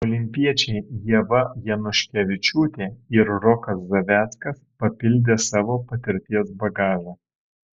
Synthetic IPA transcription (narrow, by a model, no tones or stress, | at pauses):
oːlʲɪmʲpʲiɛt͡ʃʲɛɪjiɛʋɐjɛnʊʃʲkʲɛʋʲɪt͡ʃʲuːt̪ʲeːɪɾɾɔkɐszɐʋʲæːt̪skɐspɐpʲɪlʲd̪ʲeːsɑːʋoːpɐt̪ʲɪɾʲt̪ʲiɛsbɐɡɑːʒɐ